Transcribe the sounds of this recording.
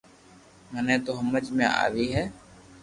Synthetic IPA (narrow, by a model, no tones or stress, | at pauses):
mənẽːt̪oːɦəməd͡ʒmḛ̃ːʔa̰ːʋiːɦɛː